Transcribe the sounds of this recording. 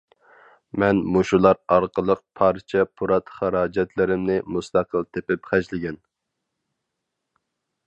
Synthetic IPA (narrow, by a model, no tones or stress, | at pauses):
mɛnmuʃulˠɑɾɑɾqəlˠəq̚pʰɑɾt͡ʃʰɛpʰuɾɑt̪χæɾɑːd͡ʒɛt̪ʰlɪɾɪmnɪmust̪ɑqʰəlˠt̪ʰepɪpχæʃlɪɡʲɛn